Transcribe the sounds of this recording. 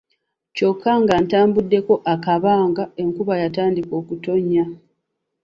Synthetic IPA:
co̞kʰːaŋɡantaːmbudːe̞ko̞ʔakaβaːŋɡae̞ŋkuβajataːndiko̞ːkuto̞ɲːa

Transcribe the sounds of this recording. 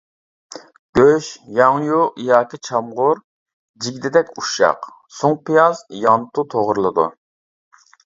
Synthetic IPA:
ɡ̥ʲøʃjɑŋjuijɑːkʲit͡ʃʰɑmʁʊɾ | d͡ʒiɡʲd̪ɪd̪ɛkʲuʃɑ̰q | soŋpijɑzjɑnt̪ut̪ʰoʁɾlˠɨd̪ṵ

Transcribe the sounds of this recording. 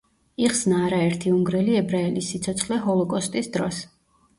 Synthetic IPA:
iχsnaːɾaɛɾt̪ʰiuŋɡɾɛliɛbɾaɛlisːit̪sʰɔt̪sʰχlɛɦɔlˠɔkʼɔst̪ʼisd̪ɾɔs

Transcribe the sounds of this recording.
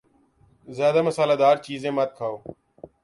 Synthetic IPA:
zjaːd̪aːməsaːlaːd̪aːɾt͡ʃiːzẽːmət̪̚kʰaːoː

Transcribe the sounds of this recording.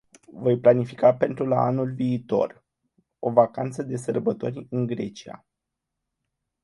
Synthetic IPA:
vo̞jplanifi̥kape̞nt̪ɾula̰a̰nulviːt̪o̞̰r | o̞vakant̪səd̪e̞s̬ərbət̪o̞̰rʲɨŋɡɾe̞t͡ʃia̰

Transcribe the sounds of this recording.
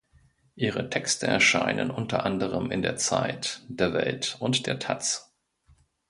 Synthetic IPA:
ʔiːʁətʰɛkstəʔɛɐʃaɪnə̰nʔʊntʰɐʔandəʁəmɪndeːɐt͡saɪtd̥eːɐvɛltʊntd̥eːɐtʰat͡s

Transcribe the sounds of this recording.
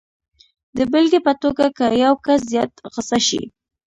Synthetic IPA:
d̪əbɪlɡepət̪oɡakəjawkas̬zjɑt̪ɣəsaʃḭ

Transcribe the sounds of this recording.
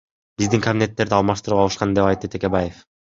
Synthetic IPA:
b̥izd̪iŋkɐbʲinʲe̞t̪ːe̞ɾd̪iɑlˠmɑʃt̪ɯɾupɑlˠɯʃqɑnd̪e̞pɑjt̪ːɯt̪ʰe̞kʲe̞baje̞f

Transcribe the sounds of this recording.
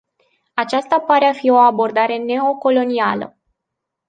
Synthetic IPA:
at͡ʃast̪apaɾeafio̞abo̞rd̪aɾe̞ne̞o̞ko̞lo̞nialə̰

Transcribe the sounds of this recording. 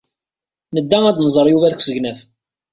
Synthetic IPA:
nəd̪ːæŋæd̪nəzˤəɾˤjuvæðkʷːsəɣnæf

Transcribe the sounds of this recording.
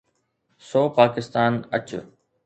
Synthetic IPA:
soːpaːkɪst̪aːnə̰t͡ɕ

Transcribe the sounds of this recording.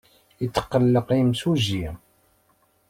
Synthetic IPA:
it͡sːə̥qːəlːəqimsuʒi

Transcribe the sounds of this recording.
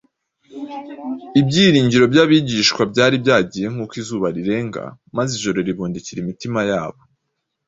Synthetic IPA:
ibɟiːɾiːɲɟiɾo̞bjaːβiːɟiːʃkwabɟaːɾibɟaːɟiːje̞ŋ̥huːkwizuːβaɾiɾe̞ːŋɡa̰ | maziʒo̞ɾo̞ɾiβuːndiciɾimitimajaːβo̞

